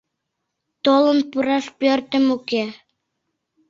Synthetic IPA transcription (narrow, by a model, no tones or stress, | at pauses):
t̪olə̆npuɾɑʃpørt̪ə̆muke